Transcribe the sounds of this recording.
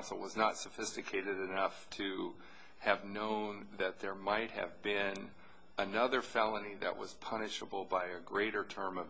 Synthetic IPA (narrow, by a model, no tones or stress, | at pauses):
nsl̩ˠwʌznətsɨfɪstɨkʰeɪɾɨɾɨnʌftʰɨ | ɨvnõʊ̃nðɨt̪̚ðə˞maɪt̚hɨ̰vbɪ̃n | ɨnʌðə˞fɛlˠəniðɨ̰ʔwʌ̰z̥pʰʌnɨʃəbl̩ˠbaɪɨɡɹeɪɾə˞tʰɜ̃˞mʌv